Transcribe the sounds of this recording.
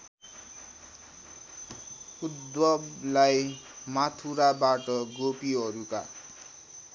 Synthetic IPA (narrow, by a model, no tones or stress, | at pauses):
ud̪wʌblajmat̪ʰuɾabaʈʌɡopiɦʌɾuka̰